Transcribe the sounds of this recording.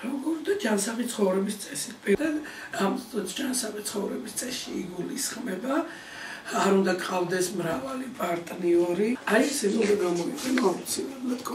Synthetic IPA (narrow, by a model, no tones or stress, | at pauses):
ɾɔmɡɔmɔd̪ad͡ʒansaχit̪ʰχɔvɾɛbist̪sʼɛsit̪̚ʰbɛd̪a | amɔt̪d͡ʒansaχit̪sʰχɔvɾɛbist̪sʼɛsʃiːɡulisχmɛbaː | ɾund̪akʼqʼavd̪ɛsmɾavalipʼaɾt̪ʼniɔɾiaisilɔzɛɡamɔiɛnaut̪sʰilɛblˠad̪kʰɔ